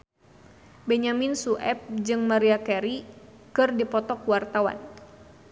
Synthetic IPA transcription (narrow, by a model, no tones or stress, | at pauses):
bɛɲaminsuʔɛp̚d͡ʒɨŋmaɾiakɛɾi | kɨrdipɔt̪ɔkwart̪awa̰n